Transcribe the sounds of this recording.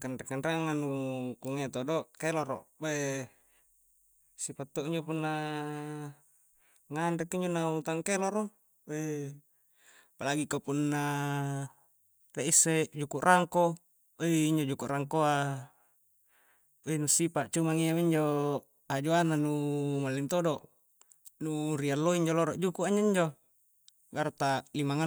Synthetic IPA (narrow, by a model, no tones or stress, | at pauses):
kanɾekːanɾaŋnanukuŋet̪odoʔkeloɾo̰ʔbe | sipat̪ːoʔiɲd͡ʒopunːa | ŋandekiɲd͡ʒonaut̪aŋkeloɾo | e | palaɡikapunːa | t̪eʔisːed͡ʒukuʔrʔaŋko | eiɲd͡ʒod͡ʒukuʔraŋkoa | enusipaʔt͡ʃumaŋiawiɲd͡ʒo | ad͡ʒoananumalːint̪odoʔ | nurialːoiɲd͡ʒoloɾoʔd͡ʒukuaɲaiɲd͡ʒo | ɡaɾt̪aʔlimaŋa